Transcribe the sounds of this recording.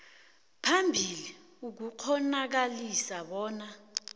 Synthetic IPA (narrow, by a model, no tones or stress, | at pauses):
pʰambʱili | uk̬uk͡xʰɔnak̬alisaɓɔːna